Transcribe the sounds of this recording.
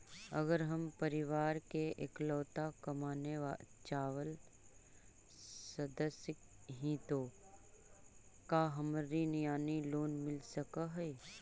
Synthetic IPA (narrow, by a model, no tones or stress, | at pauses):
ɐ̰ɡəɾɦɐmpəɾɪʋaːɾkeʔḛklɔːt̪akɐmaːneʋa | t͡ʃaːʋəl | səd̪əsjək | ɦĩt̪oː | kaːɦɐmɾinijaːniloːnmɪlsəkaɦɛ